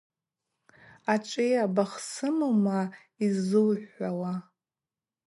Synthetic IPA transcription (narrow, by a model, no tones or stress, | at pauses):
aʈ͡ʂʼejabaχsɨmɨma | izɨlħawa